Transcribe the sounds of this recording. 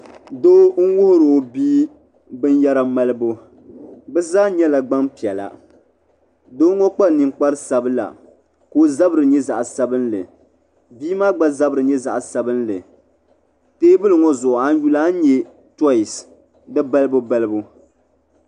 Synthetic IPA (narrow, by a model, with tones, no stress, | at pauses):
do˦ŋ̩˦wʊ˦hʊ˦ɾo˨biː˦ | bɨ˦n˦ja˦ɾa˦ma˦lɨ˦bo˦ | bɛ˦zaː˦ɲɛ˦la˨ɡ͡ba˦mpi˨ɛ˨la̰˨ | do˦ŋɔ˦k͡pa˦˨ni˨ŋk͡pa˦ɾɨ˦sa˨bɨ˦la̰˨ | ko˦za˦bɨ˦ɾɨ˨ɲɛ˦za̰˨ʔsa˦bɨ˦nlɨ̰˨ | biː˦maː˦ɡ͡ba˦za˦bɨ˨ɾɨ˨ɲɛ˦za̰˨ʔsa˦bɨ˦n˦lɨ̰˨ | teː˦bɨ˦lɨ˨ŋɔ˦zʊ˨ʔʊ˨a˦n˦ju˦laː˦n̩˦ɲɛ˦ | tɔ˦ɪ˨s | dɨ˦ba˦lɨ˦bʊ˦ba˦lɨ˦bu˦